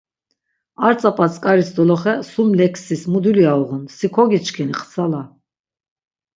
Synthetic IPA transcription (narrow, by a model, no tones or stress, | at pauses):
aɾt͡sʼapʼat͡sʼkʼaɾisd̪ɔlɔχɛsumlɛkʰsismud̪uliauʁunsikʰɔɡit͡ʃkʰɛniχsʰala